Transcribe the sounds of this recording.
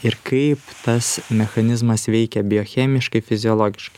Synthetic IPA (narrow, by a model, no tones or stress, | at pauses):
ɪɾkɐɪpt̪ɐsmʲɛxɐnʲɪzmɐsʋʲɛɪkʲɛbʲɪjoːxʲɛːmʲɪʃkɐɪfʲɪzʲɪɔlˠoːɡʲɪʃkɐɪ